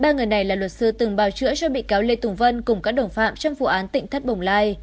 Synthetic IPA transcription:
ɓaː˧ŋɨ˨˩əjna˨˩jlaː˨˩lwə˨˩t̚sɨ˨˧˦t̪ɨ˨˩ŋɓaː˨˩wt͡ɕɨ̰˧˥ət͡ɕɔ˧ɓḭ˧˨kaː˨˦wle˧t̪ʊ˨˩ŋ͡mvə˧nkʊ˨˩ŋ͡mkaː˦˥k̚ɗə˧˩wŋ͡mfa̰ː˧˨mt͡ɕɔ˧wŋ͡mfu˨˩ʔaː˨˦nt̪ḭ˧˨ŋ̟t̪ʰə˦˥t̚ɓə˨˩wŋ͡mlaː˧j

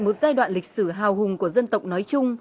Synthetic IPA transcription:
jmo˨˩t̚zaː˧jɗwa̰ː˧˨nlï˨˩k̟̚sɨ˧˩ɦaː˨˩wɦʊ˨˩ŋku˧˩əzə˧nt̪ə̰˨wk͡p̚nɔ˨˦jt͡ɕʊ˧ŋ͡m

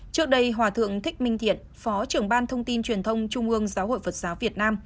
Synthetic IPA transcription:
t͡ɕɨ˦˥ək̚ɗə˧jɦwaː˧˩t̪ʰɨ̰˧˨əŋt̪ʰï˦˥k̟̚mï˧ŋ̟t̪ʰḭ˧˨ən | fɔ˨˦t͡ɕɨ˨˩əŋɓaː˧nt̪ʰə˧wŋ͡mt̪i˧nt͡ɕwi˨˩ənt̪ʰə˧wŋ͡mt͡ɕʊ˧ŋ͡mʔɨ˧əŋzaː˨˦who̰˧˨jfə˨˩t̚z̥aː˨˦wvi˨˩ət̚naː˧m

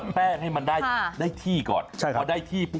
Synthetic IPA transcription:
pɛː˥˩ha˥˩jma˧nda˥˩jdaː˥˩jt̪ʰiː˥˩kɔ̰ː˨˩nt͡ɕʰa˥˩ɔː˧˩da˥˩jt̪ʰiː˥˩pu˧˥˩

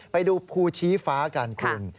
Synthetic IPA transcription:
pa˧jduː˧pʰuː˧˩t͡ɕʰiː˦˥faː˦˥˧kaː˧nkʰu˧n

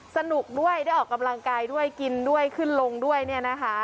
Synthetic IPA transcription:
sa˧nu˨˩k̚du˥˩əjaː˥˩jʔɔː˨˩kːa˧mla˧ŋkaː˧jdu˥˩əjki˧ndu˥˩əjkʰɯ˥˩nlo˧ŋdu˥˩əjni˥˩ɐna˦˥kʰa˦˥

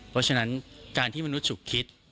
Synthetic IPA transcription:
pʰɔ˦˥t͡ɕʰa˧na˦˥nkaː˧nt̪ʰiː˥˩ma˧nu˦˥t̪̚sʰu˨˩kʰːi˦˥t̪̚

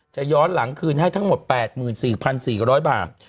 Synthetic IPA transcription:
t͡ɕa˨˩jɔː˦˥nla˩˦ŋkʰɯː˧nha˥˩jt̪ʰa˦˥ŋmo˨˩t̪̚pɛː˨˩t̪̚mɯː˨˩nsiː˨˩pʰa˧nsiː˨˩ɾɔː˦˥jba̰ː˨˩t̪̚

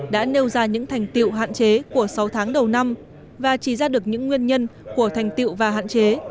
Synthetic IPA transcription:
ɗa̰ː˧˥ne˧wzaː˧ɲɨ̰˧˥ŋt̪ʰɛ˨˩jŋ̟t̪ḭ˧˨wɦa̰ː˧˨nt͡ɕe˨˦ku˧˩əsa˨˦wt̪ʰaː˨˦ŋɗə˨˩wna˧m | vaː˨˩t͡ɕi˧˩zaː˧ɗɨ˨˩ək̚ɲɨ̰˧˥ŋːwi˧ənɲə˧nku˧˩ət̪ʰɛ˨˩jŋ̟t̪ḭ˧˨wvaː˨˩ɦa̰ː˧˨nt͡ɕe˨˦

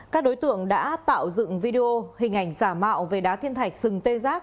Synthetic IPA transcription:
kaː˦˥k̚ɗo˨˦jt̪ɨ̰˧˨əŋɗa̰ː˧˥t̪a̰ː˧˨wzɨ̰˧˨ŋvi˧ɗe˧o˧hï˨˩ŋ̟ʔa˨˩jŋ̟zaː˧˩ma̰ː˧˨wve˨˩ɗaː˨˦t̪ʰi˧ənt̪ʰa˨˩jk̟̚z̥ɨ˨˩ŋt̪e˧zaː˦˥k̚

